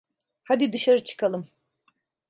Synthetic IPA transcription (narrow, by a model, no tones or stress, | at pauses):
had̪id̪ɯʃaɾɯt͡ʃʰɯ̥kʰalˠɯm